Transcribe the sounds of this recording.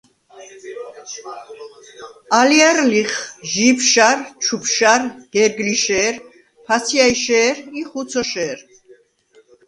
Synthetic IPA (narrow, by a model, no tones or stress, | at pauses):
aliaɾliχʒipʰʃaɾt͡ʃʰupʰʃaɾɡ̥ɛɾɡliʃɛːɾ | pʰasʰiaiʃɛːɾiχut̪t͡s̪ʰɔʃɛːɾ